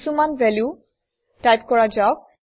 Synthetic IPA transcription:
sumanvɛlju | tajpkɔɹad͡ʒaʊk̚

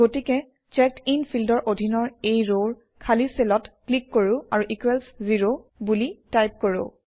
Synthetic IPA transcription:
ɡotikɛ | t͡ʃɛktinpʰildɔɹʔodʱinɔɹejɹoɹ | kʰaliselɔtklikːoɹʊ̃aɹuʔikwɛlsziɹobulitajp̚koɹʊ̰

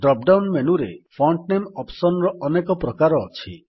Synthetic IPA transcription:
ɖɾɔp̚ɖawnmenuɾepʰɔɳʈnemɔpsɔnɔɾɔʔɔnekɔpɾɔkaɾɔːt͡ʃʰi

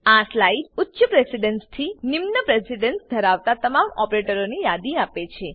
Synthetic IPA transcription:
aslaiɖʊtːʃəpɾesiɖənst̪ʰinimnəpɾesiɖənsd̪ʱəɾaʋt̪at̪əmamɔpɾeʈəɾonijad̪iapet͡ʃʰe

